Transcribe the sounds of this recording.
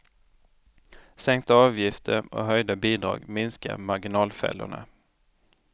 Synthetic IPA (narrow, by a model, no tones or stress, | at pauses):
sɛŋk̚t̪əɑːvjɪft̪ʰəɾɔ̰ɦœjd̪abiːd̪ɾɑ̰ːɡmɪnska̰maɾɡɪnɑːlfɛ̰lːʊ̰ɳa̰